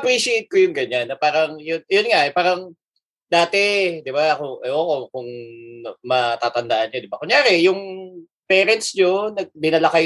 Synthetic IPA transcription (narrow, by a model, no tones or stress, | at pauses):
ʔɐpɾiːʃɪejt̪̚kojʊŋɡɐɲanːɐpaːɾɐŋjonjonŋaʔɛpaːɾɐŋ | d̪aːt̪ɛd̪ɪbaɐkoʔɐʔoko̞kʊŋ | mɐt̪aːt̪ɐnd̪aʔɐnɲod̪ɪbakʊŋjaːɾɛjʊŋ | pɛːɾɛnt̪̚sɲonɐɡ̚bɪnɐlɐkaj